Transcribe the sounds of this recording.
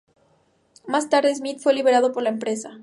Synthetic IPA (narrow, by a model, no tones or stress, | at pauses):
mast̪aɾðes̬mit̪fwe̞liβe̞ɾað̞o̞po̞ɾlaempɾe̞sa